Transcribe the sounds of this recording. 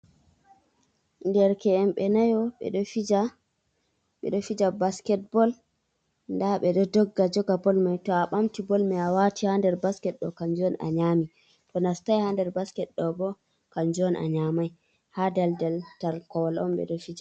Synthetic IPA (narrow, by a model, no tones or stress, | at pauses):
ndɛɾkɛɛmɓɛnajɔɓɛ̰ɗɔfid͡ʒa | ɓɛ̰ɗɔfid͡ʒabaskɛt̚bɔl | ndaɓɛɗɔdɔɡːad͡ʒɔɡabɔlmajtɔaɓamtibɔlmɛawatihandɛɾbaskɛt̚ɗɔkaɲd͡ʒɔna̰ɲaːmi | tɔnastajhandɛɾbaskɛtɗɔbɔ | kaɲd͡ʒɔnʔa̰ɲamaj | hadɛldɛltalkɔwalɔ̰mɓɛ̰ɗɔfid͡ʒa